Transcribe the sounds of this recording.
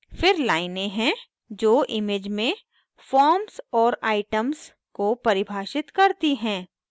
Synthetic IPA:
fɪɾlaːɪnẽɦɛ̃ | d͡ʒoːʔɪmeːd͡ʒmẽ | fɔːɾmsɔːɾaːɪʈəms | kopɐɾɪbʱaːʃɪt̪kɐɾt̪iɦɛ̃ː

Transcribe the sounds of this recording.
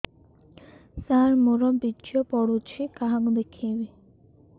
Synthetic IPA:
saɾmoɾɔbit͡ʃɔpɔɽut͡ʃʰikaɦakud̪ekʰebi

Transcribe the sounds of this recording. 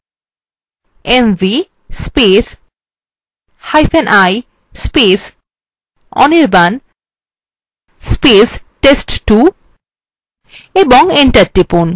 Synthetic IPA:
emvi | spes | hajfɛ̃nʔaj | spes | ɔ̰neɾban | spesʈesʈʈu | ebɔŋeɳʈaɾʈːipon

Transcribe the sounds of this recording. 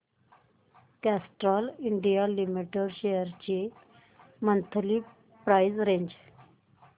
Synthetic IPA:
kæsʈɾɔliɳɖijalimiʈəɽɕejəɾt͡ɕe | mənt̪ʰli | pɾajd͡zɾẽɲd͡ʑ

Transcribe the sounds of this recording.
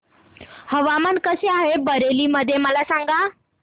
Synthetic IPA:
həʋamankəseaɦebəɾeliːməd̪ʱːjeməlasaŋɡa

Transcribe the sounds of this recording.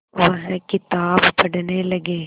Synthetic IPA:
ʋəɦɛ̃kɪt̪aːbpəɽneːləɡeː

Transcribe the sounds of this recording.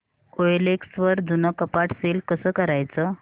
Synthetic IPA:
oeleksʋəɾd̪unəkəpaʈselkəsəːkəɾajt͡sə

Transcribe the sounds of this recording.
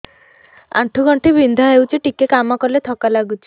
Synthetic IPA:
a̰ʈʰuɡɔɳʈʰibind̪ʱaɦewt͡ʃʰiʈikekamɔkɔlet̪ʰɔkalaɡut͡ʃʰi̥

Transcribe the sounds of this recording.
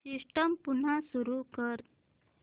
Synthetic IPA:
sisʈəmpun̤asuɾukəɾ

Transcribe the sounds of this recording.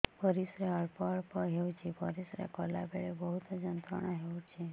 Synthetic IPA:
pəɾisɾeəɭpəɭpəɦeut͡ʃʰipəɾisɾḛkɔla̰beɭebəɦut̪d͡ʒənt̪əɽ̃aɦeut͡ʃʰe

